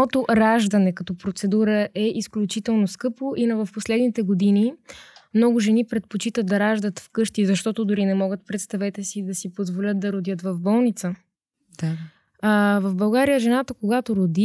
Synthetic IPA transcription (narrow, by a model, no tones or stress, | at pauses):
ɔt̪oɾaʒd̪ɐnɛkɐt̪ɔpɾot̪sɛd̪uɾəʔɛʔisklʲut͡ʃit̪ɛlˠnoskɤpoʔinɐvɐfposlɛd̪nit̪ɛɡod̪inimnɔɡʊʒɛnipɾɛt̪̚pot͡ʃit̪əd̪̚d̪ɐɾaʒd̪ət̪fkɤʃt̪izɐʃt̪ɔt̪od̪ʊɾinɛmɔɡət̪̚pɾɛt̪st̪ɐvɛt̪ɛsid̪ɐsipozvolʲət̪̚d̪ɐɾod̪jət̪vɐvbɔlˠnit̪sə̥ | a | avɐvbɐlˠɡaɾijəʒɛnat̪əkoɡat̪oɾod̪i